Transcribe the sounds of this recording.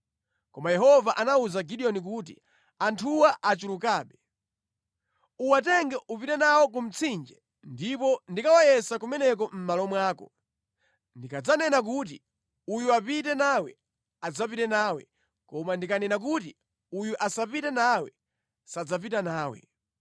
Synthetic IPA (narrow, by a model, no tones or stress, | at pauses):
kɔmajɛɦɔvaʔanauzaɡiɗiɔnik̬uːt̬i | antʰuwaʔat͡ʃulukaːɓɛ | uwatɛŋɡɛʔupitɛnawɔk̬um̩t͡sʰind͡ʒɛ | ndipɔndikawajɛsakumɛnɛk̬ɔm̩malɔmwaːkɔ̰ | ndikad͡zanɛnak̬ut̬i | ujuapitɛnawɛ | ad͡zap̬itɛnaːwɛ̰ | kɔmandikanɛnak̬uti | ujuʔasapitɛnawɛ | sad͡zap̬itanaːwɛ̰